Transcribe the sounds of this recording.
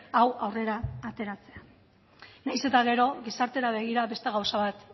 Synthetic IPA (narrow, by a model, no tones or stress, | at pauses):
awawre̞ɾaːt̪e̞ɾat͡se̞a | najse̞t̪aɣ̞e̞ɾo̞ɣisaɾt̪e̞ɾaβ̞e̞ɣ̞iɾaβe̞st̪e̞ɣ̞awsaβ̞at̪